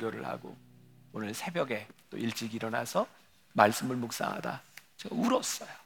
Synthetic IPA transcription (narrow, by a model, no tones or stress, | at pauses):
ɡjʌɾɯ̰ɭha̰ɡo̰onɯɭsʰe̞bjʌɡe̞t͈o̰iɭt͡ɕ͈iɡiɾʌna̰sʰʌ | maɭs͈ɯmɯɭmok̚s͈a̰ŋɦa̰da̰t͡ɕeɡauɾʌs͈ʌjo